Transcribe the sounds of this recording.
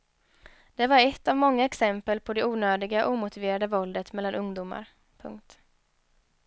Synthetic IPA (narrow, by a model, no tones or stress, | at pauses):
d̪̥ɛvaɾɛt̪ːavmɔŋːaɛksɛmpəlpʰɔd̪ɛuːnøːd̪ɪɡaʔuːmʊt̪ɪveːɾad̪əvɔld̪ət̪mɛlːanɵŋd̪uːma̰ɾ | pʰɵ̰ŋk̚t̪